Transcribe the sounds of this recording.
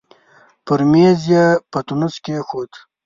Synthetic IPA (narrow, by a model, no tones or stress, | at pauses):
pəɾmezijɐpɐt̪unuskexoːt̪